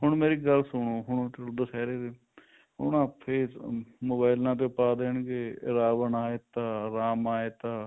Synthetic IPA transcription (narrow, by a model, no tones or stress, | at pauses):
ɦʊɳmeːɾiːɡəlsʊɳoːɦʊɳt͡ʃəld̪əsɛːɾeːd̪eː | ɦʊ̰ɳaːpʰeːsmoːbaːɪlnãːt̪̬epaːd̪eːɳɡeːɾaːʋənaːeːt̪ãːɾaːmaːeːt̪aː